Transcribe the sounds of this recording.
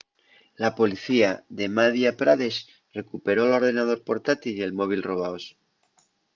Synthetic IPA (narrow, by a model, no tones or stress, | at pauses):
lapo̞liθiaðe̞maðjapɾaðes | re̞kupeɾolo̞ɾðe̞naðo̞ɾpo̞ɾt̪at̪ilje̞lmo̞β̞ilro̞β̞aos